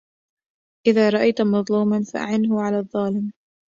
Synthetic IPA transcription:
ʔɪðaːɾˤɑʔajt̪mɑðˤluːmanfa̰ʔa̰ʕɪnɦʊʕalaːðˤːɑːlɪm

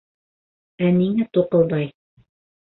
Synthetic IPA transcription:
æniŋæt̪uqɤ̆lˠd̪ɑj

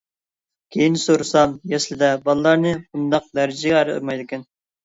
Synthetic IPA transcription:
kʲʰejinsoɾɨsɑnjɛslɪd̪ɛbɑlˠɨlˠɑɾnɨbund̪ɑq̚d̪æɾɪd͡ʒɪɡʲɛɑɾɨo̰ɾmɑjd̪ɪkʲɛn

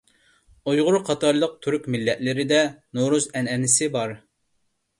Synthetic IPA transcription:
ujʁʊɾqʰɑt̪ɑɾlˠəq̚t̪ʰyɾykʲmɪlːɛt̪lɪɾɪd̪ɛnoɾuzɛnɛnɪsɪbɑɾ

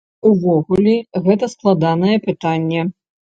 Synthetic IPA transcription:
uvɔɣulʲiɣɛt̪ɐsklˠad̪anɐjɛpɨt̪anʲːɛ

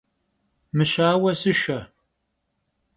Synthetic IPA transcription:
mɨɕaːwɐsɨʃɐ

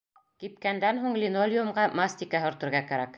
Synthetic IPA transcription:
kip̚kænd̪ænɦuɴlʲinolʲjumʁɢɑmasʲt̪ʲikɑɦŏɾt̪ɤ̆ɾʁɑkæɾæk

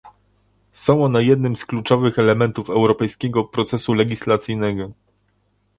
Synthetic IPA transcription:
sɔ̃w̃ɔnɛjɛd̪nɘmsklut͡ʂɔvɘxɛlɛmɛnt̪ufɛwɾɔpɛjskʲɛɡɔpɾɔt̪sɛsulɛɡʲislat̪sɘjnɛɡɔ

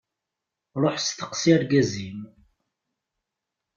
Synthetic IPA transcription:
ɾˤoħst̪ə̥qsiæɾɡæzim

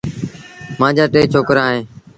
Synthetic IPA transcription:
mãːd͡ʒaːʈeːt͡ʃʰoːkɾaːɦẽː

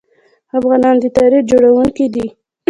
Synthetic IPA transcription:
afɣɑnɑnd̪ət̪ɑɾixd͡ʒoɽawuŋkid̪i

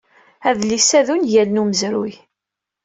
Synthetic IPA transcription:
æðlisæðunjælnuməzɾṵj

